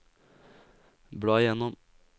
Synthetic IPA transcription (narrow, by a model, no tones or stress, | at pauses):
bɽɑːjɛnɔm